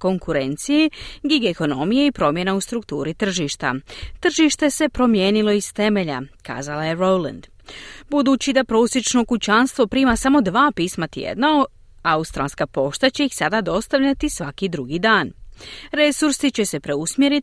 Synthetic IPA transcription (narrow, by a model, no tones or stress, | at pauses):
ko̞ŋkuɾe̞nt̪sijeɡiɡeko̞no̞mije̞ipɾo̞mje̞naust̪ɾukt̪uːɾit̪r̩ʒiːʃt̪a̰t̪r̩ʒiːʃt̪e̞se̞pɾo̞mje̞ːnilˠo̞ist̪e̞me̞ʎa̰ka̰ːzalaje̞ɾowla̰nd̪̥ | bud̪uːt͡ɕid̪apɾo̞ːsjet͡ʃno̞kut͡ɕanst̪ʋo̞pɾiːmasamo̞d̪ʋaːpiːsmat̪jḛd̪nao | aust̪ɾalskapo̞ʃt̪at͡ɕe̞ixsad̪ad̪o̞st̪aʋʎʲat̪isʋakid̪ɾuɡid̪aːnɾe̞suɾsit͡ɕe̞se̞pɾe̞usmjeɾi